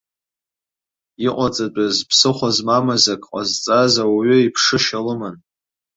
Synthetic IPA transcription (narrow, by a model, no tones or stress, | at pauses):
iqʷʼat͡sʼat͡pʷʼazpʰsɨχʷazmamazakʼqʼazt͡sʼazawaɥʏipʰʂɨʃalɨman